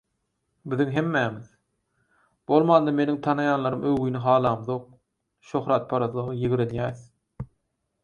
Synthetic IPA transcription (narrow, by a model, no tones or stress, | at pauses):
biðiŋɦemːæːmið | b̥olˠmɑːnd̪ɑme̞niŋt̪ʰɑnɑjɑːnlˠɑɾɯmʔøwɣijniɦɑːlˠɑːmðoq̚ | ʃoxɾɑːt̪̚pʰɑɾɑθlˠɯʁɯjiɣɾenjæːθ